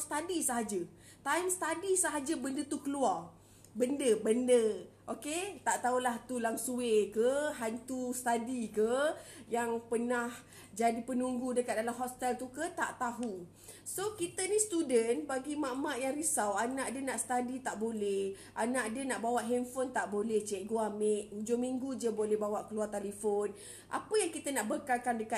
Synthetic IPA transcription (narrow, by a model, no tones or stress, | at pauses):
st̪adisəɦad͡ʒə | t̪ajmst̪adisəɦad͡ʒəbəndət̪ukəluar | bəndəbəndəʔoket̪aʔt̪aulaht̪ulaŋsuekəɦant̪ust̪adikəjaŋpənah | d͡ʒadipənuŋɡudəkat̪̚dalamɦɔst̪ɛlt̪ukət̪aʔt̪aɦu | sokit̪ənist̪udənbaɡimamaʔjaŋɾisawanaʔdənaʔst̪adit̪aʔbolɛh | ʔanaʔdənaʔbawaʔɦɛnfont̪aʔbolɛht͡ʃɛʔɡuameʔd͡ʒomiŋɡud͡ʒəbolɛhbawaʔkəluart̪alifon | ʔa̰pəjaŋkit̪ənaʔbəkalkandəka